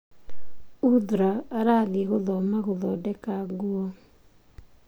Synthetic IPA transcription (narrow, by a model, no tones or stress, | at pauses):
ud̪ɾaaɾaɡɪɣʊðɔmaɣʊlɔdɛkaɡuɔ